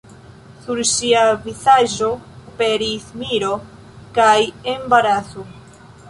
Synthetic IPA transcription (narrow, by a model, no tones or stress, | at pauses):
suɾʃiavizaʒo̞ope̞ɾismiɾo̞ | kajembaɾat͡so